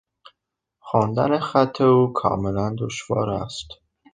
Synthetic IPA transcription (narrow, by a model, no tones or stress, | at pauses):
xɒːnd̪ænexæt̪ʰːe̞uːkʰɒ̰ːme̞lænd̪oʃvɒ̰ːɾæst̪